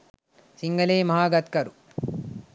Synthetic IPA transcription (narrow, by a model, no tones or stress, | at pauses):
siŋɡɐleːmɐɦaːɡɐt̪kɐɾu